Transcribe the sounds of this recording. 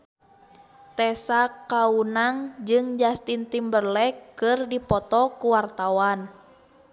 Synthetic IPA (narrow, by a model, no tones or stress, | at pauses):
t̪ɛsakaunaŋd͡ʒɨŋd͡ʒast̪int̪imbərlɛkːɨrdipɔt̪ɔkuwart̪awan